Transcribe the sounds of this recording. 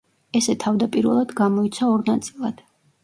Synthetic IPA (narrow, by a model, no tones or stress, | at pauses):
ɛsɛt̪ʰavd̪apʼiɾvɛ̰lˠad̪ɡamɔit̪sʰaɔɾnat̪sʼilˠad̪̥